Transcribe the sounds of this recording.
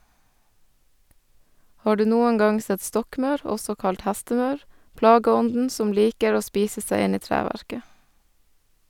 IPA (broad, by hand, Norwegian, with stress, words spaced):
ˈhɑː ˈɖʉː ˈnuːəŋ ˈɡɑŋ ˈsɛt ˈstɔkˌmɑʉɾ ˈɔsɔ ˈkɑlt ˈhæstəˌmɑʉɾ ˈplɑːɡəˌɔndn̩ ˈsɔm ˈliːkəɾ ˈoː ˈspiːsə ˈsæɪ ˈɪn ˈiː ˈtɾæːʋæɾkə